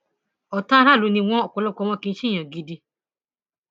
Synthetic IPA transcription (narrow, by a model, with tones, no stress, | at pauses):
ɔ˨ta˦ɾa˦˨lu˨˦nĩ˧w̃ɔ̃˦ɔ˨kɔ˨˧lɔ˦kɔ˧w̃ɔ̃˧kĩ˧˦ʃi˦˨j̃ã˨ɡi˧di˧